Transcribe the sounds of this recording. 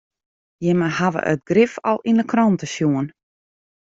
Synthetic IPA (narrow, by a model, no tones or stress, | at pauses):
jɪmahaʋə̰ʔə̰tɡrɪfɔ̰lˠinəkʰrɔntəsjuən